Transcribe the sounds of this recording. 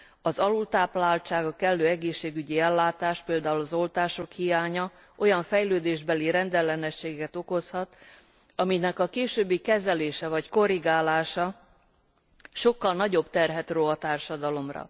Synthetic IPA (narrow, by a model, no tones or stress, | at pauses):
ɒzɒlult̪aːplaːlt͡ʃaːɡɒkɛlːøːɛɡeːʃːeːɡyɟiɛlːaːt̪aːʃpeːld̪aːulɒzo̞lt̪aːʃo̞khijaːɲɒ | ʔo̞jɒɱfɛjløːd̪eːʒbɛliɾɛnd̪ɛlːɛnɛʃːeːɡɛkɛt̪o̞ko̞shɒt̪ | ɒminɛkɒkeːʃøːbːikɛzɛleːʃɛvɒcko̞ɾiɡaːlaːʃɒ | ʃo̞kːɒlnɒɟo̞bt̪ɛrɦɛt̪roːɒt̪aːrʃɒd̪ɒlo̞mrɒ̰